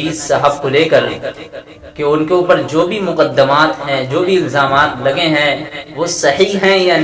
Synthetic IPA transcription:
iːzsaɦəb̚koleːkəɾ | keʊnkeʊːpəɾd͡ʒoːbʱimʊqəd̪ːəmaːt̪ɦɛ̃d͡ʒoːbʱiɪlzaːmaːt̪lɐɡeɦɛ̃ʋoːsɐhiɦɛ̃jaːn

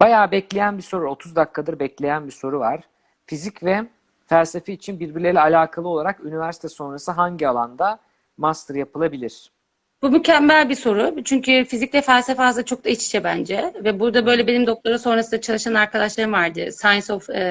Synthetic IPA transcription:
b̥ajaːbɛclʲe̞jænbiso̞ɾuo̞t̪ʰuzd̪akʰːad̪ɯɾbɛclʲe̞jænbiso̞ɾuvaɾ̥ | fizicvɛ | fælʲsefɛit͡ʃʰinbiɾbiɾlʲelʲɛalʲaːkʰalˠɯo̞lˠaɾakynivæɾsi̥t̪ʰɛso̞nɾasɯɦaɲɟialˠand̪a | mast̪ɾjapʰɯlˠabilʲiɾ̝̥ | b̥umycʰæmːælʲbiso̞ɾʊt͡ʃʰyɲcyfiziclʲɛfælʲsefɛazat͡ʃʰo̞k̚d̪ait͡ʃi̥ʃʰɛbænd͡ʒɛvɛbuɾd̪abø̞jlʲɛbe̞nimd̪o̞k̚t̪ˠaɾɯmso̞nɾasɯnd̪at͡ʃʰalˠɯʃanaɾkʰad̪aʃlˠaɾɯmvaɾd̪ɯ̰sajnsof

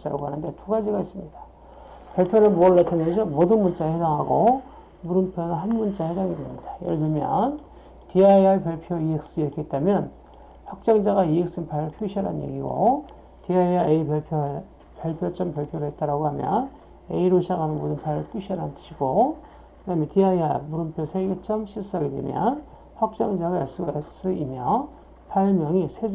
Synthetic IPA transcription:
t͡ɕ͈aɾa̰ɡoɦanɯnde̞tuɡad͡ʑiɡais͈ɯmɲid̥a | pjʌɭpʰjonɯnmoɭːatʰɯnʌnsʰʌmodɯnmunt͡ɕ͈ahedaŋɦaɡo | muɾɯnpʰjonɯnɦanmunt͡ɕ͈ahedaŋiɡemɲid̥ajʌ̰ɭdɯmjʌ̰n | tiaiapjaɭpʰjoiek̚s͈ɯiekʰeet͈̚amjʌn | hak̚t͡ɕ͈aŋd͡ʑaɣaiek̚s͈ɯnpʰaɾɯɭpʰjuɕʰiaɾa̰njḛɡiɡo̰ | tiaiaei | pjʌɭpʰjot͡ɕ͈ʌmpjʌɭpʰjoɾɯɦet̚t͈aɾaɡohamjʌ̰n | eiɾoɕʰaɡanɯnmo̰dɯnpʰaɾɯɭp͈uɕʰiʌɾannt͈ɯ̥ɕʰiɡ̥o | kɯnamjʌntiaia̰muɾɯmpʰjosʰeɡet͡ɕ͈ʌmɕʰis͈aɡedwḛmjʌ̰n | ɸwak̚t͡ɕ͈aŋd͡ʑaɡajas͈ɯɡes͈ɯimjʌ | pʰaɭmjʌŋisʰed͡ʑ

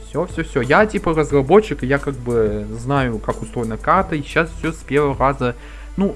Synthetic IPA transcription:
fsʲofsʲɵfsʲojatʲipərəzrɐbo̞t͡ɕːɪkɨjakaɡ̚bɨznajʊkakʊst̪ɾo̞jɪnəkart̪əiɕasfʲsʲospʲe̞rvəvəɾazə | nu

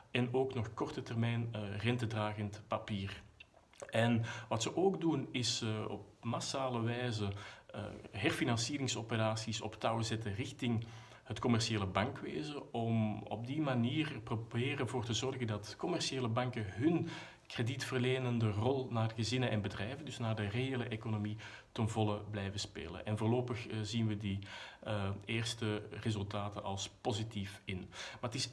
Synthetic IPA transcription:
ɛnoːknɔxkɔrtətɛrmɛjnrɛntədraːɣəntpapiːr | ɛnʋɑtsəʔoːɡdunɪsɔ̰p̚masaːləʋɛːzə̰ | ɦɛrfinɑnsiːɾɪŋsopəɾaːsisɔ̰ptɑwzɛtərɪxtɪŋ | hətkɔmɛrsieːləbɑŋkʋḛːzəɔmɔ̰b̚dimaniːrəprobeːɾənvoːrtəzɔrɣəndɑtkɔmɛrʃieːləbɑŋkəɦɵn | kreditfərleːnəndərɔlˠnaːdəɣəzɪnənʔɛnbədrɛjvəndɵsnaːdəreeːləʔekonomi | tənvɔlˠəblɛjvəspḛːlə̰nʔɛnvoːrloːpəxzinʋədi | eːrstərezɵlˠtaːtənʔɑlˠspozitifɪnmaːrətɪs

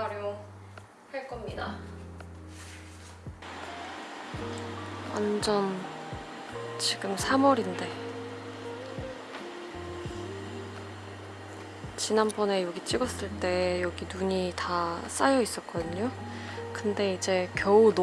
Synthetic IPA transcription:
aɾjo | haɭk͈ʌmɲida | wand͡ʑʌn | t͡ɕiɡɯmsʰamʌɾinde̞ | t͡ɕinanbʌne̞joɡit͡ɕ͈iɡʌs͈ɯɭt͈e̞jʌɡinuɲitas͈ajʌis͈ʌt̚k͈ʌdɯɲo | kɯnde̞id͡ʑe̞kjʌun

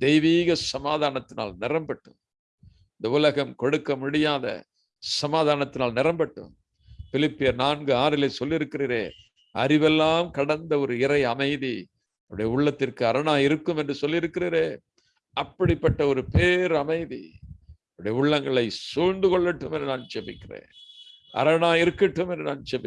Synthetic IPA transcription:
d̪̥ɛjʋiːɣɐsɐmaːðaːnɐt̪ːɪna̰ːlnɪɾɐmbɐʈːɯ̰m | ɪnd̪ɐʊlɐɣɐmkɔɽɯkːɐmʊɽɪjaːðɐ̰ | sɐmaːðaːnɐt̪ːɪnaːlnɪɾɐmbɐʈːɯ̰m | fɪlɪpːɪjɐɾnaːnɡɯaːɾɪlesɔlːɪɾɯkːɪriːɾḛː | ʔɐ̰ɾɪʋɛlːaːmkɐɽɐnd̪ɐɔɾɯɪɾɐɪɐmɐɪði | ɐʋɯɽɐjɐʊɭːɐt̪ːɪrkɯɐɾɐɳaːjɪɾɯkːɯmɛndrɯsɔlːɪɾɯkːɪriːɾeː | ɐpːɐɽɪpːɐʈːɐɔɾɯpeːɾɐmɐɪðḭ | ɐɾɯɽɐjɐʊɭːɐŋɡɐɭɐɪsuːɻnd̪ɯkɔɭːɐʈːɯmɛndrɯnaːnt͡ʃɛbɪkːɪrḛːn | ʔɐ̰ɾɐnaːjɪɾɯkːɐʈːɯmɛndrɯnaːnt͡ʃɛbɪ

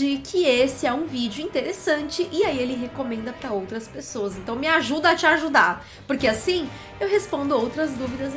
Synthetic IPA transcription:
ikʰɪesɪɛũvid͡ʒʊĩnt̪eɾesɐ̃nt͡ʃɪʔɪaielɪɦekomẽnd̪ɐpɾɐowt̪ɾɐspesoɐzẽnt̪ɐ̃w̃mɪaʒud̪ɐːt͡ʃɪaʒud̪aɾ | poɾkeasĩ | ewɦespõnd̪ʊowt̪ɾɐzd̪uvid̪ɐz

